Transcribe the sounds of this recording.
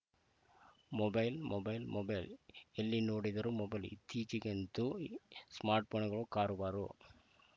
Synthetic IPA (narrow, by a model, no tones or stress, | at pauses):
mɔbɐɪlmɔbɐɪlmɔbɐɪlɛlːinoːɽɪðɐɾɯmɔbɐɪlɪ̰t̪ʰːiːt͡ʃikɛnd̪usmaːɾʈ̚poːnɣɐɭokaːɾɯʋaːɾo̰ː